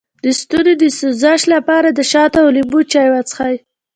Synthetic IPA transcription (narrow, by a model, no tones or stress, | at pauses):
d̪əst̪uɾed̪əsuzɑʃlapɑɾad̪əʃɑt̪awlimbut͡ʃɑjwat͡sə̥xaj